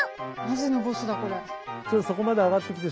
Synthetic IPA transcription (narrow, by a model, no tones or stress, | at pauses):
nazeno̞bo̞sɨd̪ako̞ɾet͡ɕot̪ːoso̞ko̞mad̪eaɣat̪ːe̞kʲi̥t̪e